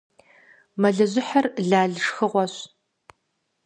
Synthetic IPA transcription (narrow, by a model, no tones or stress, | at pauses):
mɐɮɐʑɪħarɮaːɮʂxɨʁʷɔɕ